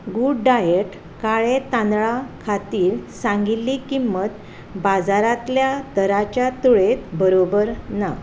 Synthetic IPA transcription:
ɡuɽɖajeʈ | kaɭet̪ãnd̪ɭakʰat̪iːɾsãŋɡiːikimːət̪ | bad͡zaɾat̪ljad̪əɾat͡ɕjat̪uɭet̪bəɾobəɾna

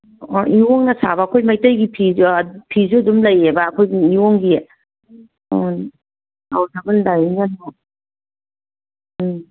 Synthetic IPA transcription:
ɔʔioŋnɐsaβɐːkʰojmajtɐjɡipʰipʰizuɐdumlɐjebɐːkʰojɡiioŋɡi | awtʰabɯnlajɡano

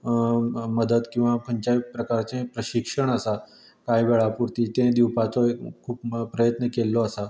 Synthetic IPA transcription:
məd̪əd̪kĩw̃ʋakʰəɲt͡ɕapɾəkaɾt͡sẽpɾəɕikʂəɳəsa | kajʋeɭapuɾt̪it̪ẽd̪iwpat͡sɔkʰuːppɾəjət̪nəkelːɔəsa

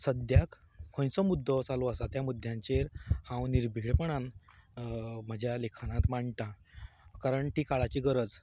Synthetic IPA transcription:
səd̪jak | kʰːõjt͡sɔmud̪ʱːɔt͡saloasat̪jamud̪ʱjãɲt͡ɕeɾhãwniɾbʱiɭpəɳ̃an | m̤əd͡ʑʱjalekʰañat̪maɳʈ̪a | kaɾəɳʈiːkaɭat͡ɕiːɡəɾəd͡z

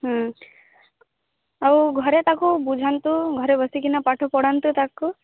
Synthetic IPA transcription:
ɦə | auɡʱəɾet̪akubud͡ʒʱant̪uɡʱɔɾebəsikinapaʈʰopɔɽant̪ut̪akːu

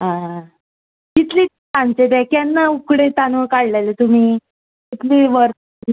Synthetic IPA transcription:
ɦã | kit̪liː | ãɲt͡ɕebɛkjanːaukɽet̪anʋəkaɽlajlet̪um̤iː | kit̪liːʋəɾt̪

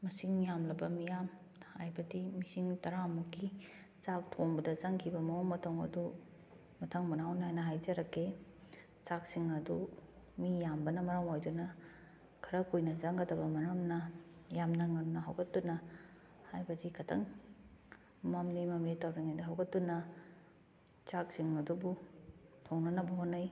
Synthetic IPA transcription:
mɐsiŋjamlɐbɐmijam | hajbɐdimisiŋtɐɾamuki | t͡ʃak̚tʰoŋbɐdɐzaŋkʰibɐmɐoŋmɐtʰoŋɐ̰du | mɐtʰɐŋmunawnɦajnɐɦajd͡ʒɐɾɐkʰːe | t͡ʃak̚siŋɐdu | mijambɐnɐmɐɾamojdunɐ | kʰɐɾɐkojnɐzaŋɡɐdɐbɐmɐɾɐmnɐjamnɐŋɐmnɐɦawɡɐtːunɐ | hajbɐdikʰɐtʰɐ̰ŋ | mɐmlimɐmlitawɾiŋajdɐɦawɡɐtːunɐ | t͡ʃak̚siŋɐdubutʰoŋnɐnɐbɐɦonːɐj

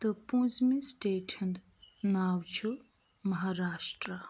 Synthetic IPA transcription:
t̪ɐpũsmisʈeːʈʰind̪ | naːwt͡ʃʰu | mɐɦaɾaːʂʈɾɐ

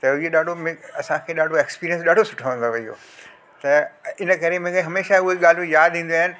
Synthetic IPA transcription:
t̪ɐieɗaːɖʱomẽɐsãkʰeːɗaːɖʱoekspiːɾiə̃nsɗaːɖʱosʊ̥ʈʰəʋə̃n̆d̪oʋɐijo̰ː | t̪ɐɪnəkɐɾemẽkẽɦɐmeːʃaʊɦeɠaːl̤ojaːd̪ĩːn̆d̪uaɦɪnɪ̆

